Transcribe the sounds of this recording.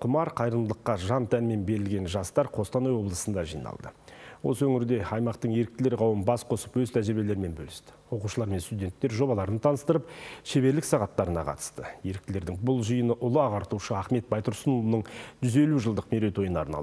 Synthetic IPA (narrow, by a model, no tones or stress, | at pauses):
qʰʊmɑɾqʰɑjɾəd̪əlˠəqːɑʒɑnt̪ʰænme̞nbe̞ɾɪlɡʲe̞nʒɑst̪ɑɾqʰo̞st̪ɑnojwo̞blˠəsənd̪ɑʒijnɑ̰lˠd̪əwo̞̰səwɵŋɪɾd̪e̞ɑjmɑqt̪əɴje̞ɾɪk̚t̪ɪle̞ɾʁɑwənbɑsqʰo̞səpwɵzt̪ʰæʒɪɾbe̞le̞ɾɪme̞nbɵ̰lɪst̪ɪ̥wo̞quʃəlˠɑɾme̞nst̪ud̪ʲe̞nt̪ːe̞ɾʒo̞bɑlˠɑɾənət̪ʰɑnəst̪əɾəpʃe̞βe̞ɾlɪksɑʁɑt̪ːɑɾənɑ̰qʰɑ̰t̪ə̥st̪əje̞ɾɪk̚t̪ɪle̞ɾd̪ɪŋbʊlˠʒijənəʔʊlˠəɑʁɑɾt̪uʃəɑχme̞t̪̚bɑjt̪ʊɾsənoənəɴʒ̥ʏze̞luʒəlˠd̪əqmeɾe̞t̪wo̞jənɑ̰ɾnɑ̰ə